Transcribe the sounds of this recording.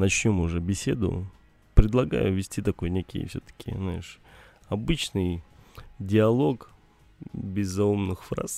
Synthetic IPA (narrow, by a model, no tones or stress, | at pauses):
nɐt͡ɕnʲomʊʐɛbʲɪsʲe̞d̪ʊ̰ | pɾʲɪd̪lˠɐɡa̰jʊvʲɪsʲtʲit̪ɐko̞jnʲekʲɪ̰j̰fsʲot̪ə̥kʲʰɪ̰znaɪʂ | ɐbɨt͡ɕnɨj | dʲɪɐlˠo̞k | bʲɪzːɐumnɨxfɾa̰s